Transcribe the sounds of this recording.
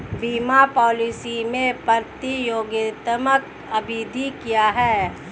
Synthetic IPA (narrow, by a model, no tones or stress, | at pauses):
ʋiːmapɔːlisimẽpəɾt̪ijoːɡɪt̪əmək | ɐbʱiːd̪ʱikijaɦɛː